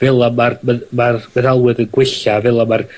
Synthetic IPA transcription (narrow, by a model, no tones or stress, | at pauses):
vɪlˠamarmɛðmarmɛðalˠwɨðənɡwɪɬavɪlˠamar